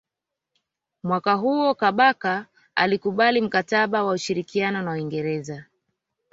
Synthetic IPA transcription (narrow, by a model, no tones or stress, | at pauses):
mwakaɦuɔkaɓaka | a̰likuɓalim̩kataɓawauʃiɾikianɔnawiŋɡɛɾɛza